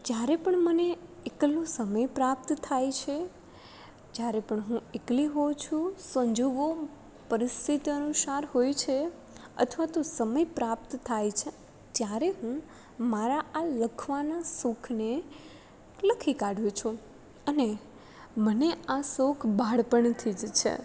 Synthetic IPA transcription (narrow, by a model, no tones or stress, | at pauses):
d͡ʒjaɾepəɳməneekəlõsəməjpɾap̚t̪t̪ʰajt͡ʃʰe | d͡ʒjaɾepəɳɦũekliɦot͡ʃʰũsə̃ɲd͡ʒoɡo | pəɾɪst̪ʰit̪iənusaɾɦojt͡ʃʰe | ə̰t̪ʰʋat̪osəməjpɾap̚t̪t̪ʰːajt͡ʃʰe | t̪jaɾeɦũ | maɾaaləkʰʋanasukʰne | ləkʰikaɽjũt͡ʃʰũ | əne | məneasokʰbʱaɽpəɳt̪ʰid͡ʒt͡ʃʰḛ